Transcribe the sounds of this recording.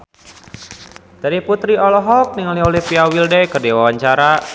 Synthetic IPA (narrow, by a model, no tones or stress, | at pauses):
daɾiput̪ɾiɔlɔɦɔk̚niŋaliolipiawildɛjkərdiwawaɲt͡ʃaɾa